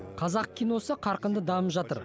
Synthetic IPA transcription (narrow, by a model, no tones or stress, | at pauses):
qʰɑzɑq̚kʲʰijno̞səqʰɑɾqənd̪əd̪ɑməpʒɑt̪əɾ